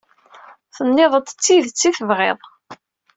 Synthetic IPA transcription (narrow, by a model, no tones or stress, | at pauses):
θənːɪðˤət̪ːə̥t͡sːiðt͡sːiθəvʁeðˤ